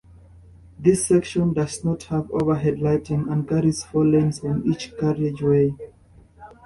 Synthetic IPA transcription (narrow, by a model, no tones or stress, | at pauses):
ðisɛkʃɔ̃ndaznɔthavo̰və˞ɦɛdlaɪtĩŋə̃nɡaɹiz̥fɔlɛ̃nsɔ̃nit͡ʃkaɹiɪd͡ʒwe